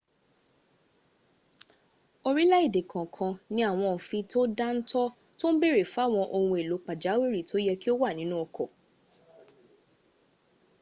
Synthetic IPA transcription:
o˧ɾi˦la˦i˦˨de˨kʰã˨kʰã˧nĩ˨˦a˦˨w̃ɔ̃˧˨fĩ˧to˦da˦n̩˦tɔ˦ | to˦n̩˦be˦˨ɾe˨fa˨˦˨w̃ɔ̃˧ʔo˧hũ˧e˨lo˨˦k͡pa˨d͡ʒa˨˦we˦˨ɾi˦˨to˦jɛ˧ki˦o˦wa˦˨nĩ˨˦nũ˦ɔ˧kɔ˨

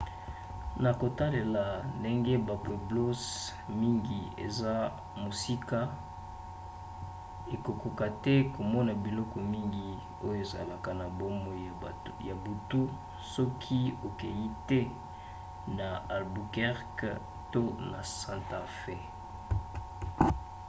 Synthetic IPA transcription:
na˨ko˨ta˦le˨la˨nde˦ŋɡe˦ba˨pwe˨blo˦s | mi˦ŋɡi˨ḛ˨za˦ | mo˨si˦ka˦ | e˨ko˨ko˨ka˨tɛ˦ko˨mɔ˦na˨bi˨lɔ˦kɔ˨mi˦ŋɡi˨ | o˦jo˦e˨za̰˨la˨ka˨na˨bo˦mo˨ | ja˨bu˨tu˦ | sɔ˦kʰi˦o˨ke˨ji˦tɛ˦ | na˨a˨lbu˨kɛ˦ʁk | to˦na̰˨sã˨nta˨fe˦

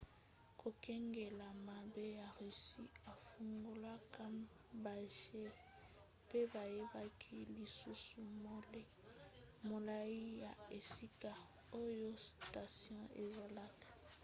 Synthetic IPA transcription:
kʰo˨kɛ˦ŋɡe˨la˨ma˨be˦ja˨ʁe˨si˦a˨fu˨ŋɡo˨la˦ka˦m | ba˨ʒe˦ | pe˦ba˨je˦ba˦kʰi˦li˨su˦su˨mo˦le˦ | mo˨la˦i˦ja˨e˨si˦ka˨ | o˦jo˦sta˨sjɔ̃˦e˨za˨la˦ka˨

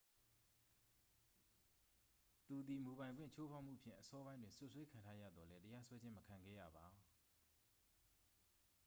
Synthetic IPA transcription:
t̪u˨d̪i˨mu˨βã˨ɪ̃ɡwɪ̰̃˦˨t͡ɕʰo˦pʰa˦ʊʔm̥u˦˨pʰjɪ̰̃˦˨ʔəsɔ˦bã˦ɪ̃ndwɪ̃˨nsʊ˦ʔswe˦kʰã˨ntʰa˦jä̰˦˨d̪ðɔ˨lɛ˦təja˦swɛ˦d͡ʑɪ̃˦məkʰã˨ŋɡɛ̰˦˨ja̰˦˨ba˨

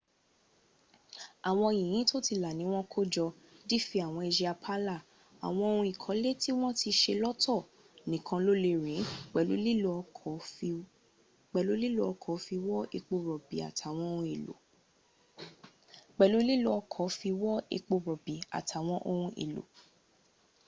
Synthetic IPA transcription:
a˨w̃ɔ̃˧˨jĩ˨ĩ˨˦to˦ti˧la˨nĩ˨˦w̃ɔ̃˦kʰo˦d͡ʒɔ˧ | di˦fi˧˦a˨w̃ɔ̃˧e˧ʃi˧a˧pʰa˦la˦˨ | a̰˨w̃ɔ̃˧o˧ɾũ˧i˨kʰɔ̃˨˦le˦ti˦w̃ɔ̃˦ti˧ʃe˧lɔ˦tʰɔ˦˨ | nĩ˨˦kʰã˧lo˦le˧ɾĩ˨˦k͡pɛ˨lṵ˨˦li˦˧˨ | k͡pɛ˨lo˨˦li˦lo˦ɔ˧kʰɔ˨˦fi˧wɔ˦e˧k͡po˧ɾɔ˨bḭ˨a̰˨tʰa˨˦˨w̃ɔ̃˧˦o˧ũ˧e˨lo̰˨ | k͡pɛ˨lu˨˦li˦lo˦˧ɔ˧kʰɔ˨˦fi˧wɔ˦ḛ˧k͡po˧ɾɔ˨bi˨a̰˨tʰa˨w̃ɔ̃˦ʔo˧ɾũ˧ʔḛ˨lo̰˨

